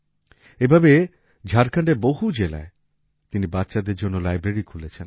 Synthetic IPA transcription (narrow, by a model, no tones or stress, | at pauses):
ebʱabe | d͡ʑʱaɾkʰaɳɖeɾboɦud͡ʑela̰e | t̪inibatːɕad̪eɾd͡ʑonːolajbɾeɾikʰulet͡ɕʰen